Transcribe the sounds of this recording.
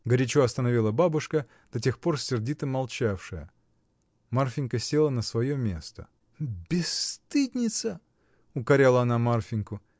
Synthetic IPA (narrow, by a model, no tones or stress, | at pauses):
ɡəɾʲɪt͡ɕuɐst̪ənɐvʲilˠəbabʊʂkə | d̪̥ɐtʲe̞xpo̞rsʲːɪrdʲit̪əmːɐlˠt͡ɕafʂɨjə̰ | marfʲɪnʲkəsʲelˠənəsvɐjomʲe̞̰st̪ə̰ | bʲɪst̪ɨd̪ʲnʲɪt̪sə | ʊkɐɾʲalˠəɐnamarfʲɪnʲkʊ